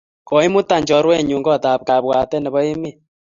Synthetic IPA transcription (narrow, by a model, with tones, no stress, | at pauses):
kɔ˨˦i˦mu˦ta˨ɲd͡ʒɔ˨˦ɾwɛ˦˨ɲu˨ŋɡɔ˦˨ta˨p̚ka˨βwa˨tɛ˦nɛ˨βɔ˦e˦me˦˨